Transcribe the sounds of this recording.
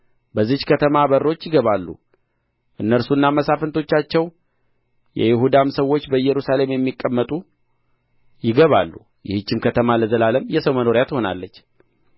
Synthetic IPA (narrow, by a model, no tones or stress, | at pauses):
bəzːihkʰət̪ʰəmabərot͡ʃːjɪɡəβalːṵ | ʔɨnːəɾsuɨnːaməsafɨnt̪ʰo̞t͡ʃːat͡ʃːɛw | jɛ̰jɪɦud̪amsəwo̞t͡ʃːbəɨjɛɾusale̞mjɛmːikʼːəmːət̪ʼu | jɪɡəβa̰lːu | jɪhɨt͡ʃːɪmkʰət̪ʰəmaləzəlaləmjɛsəwməno̞ɾijat̪ho̞na̰lːət͡ʃː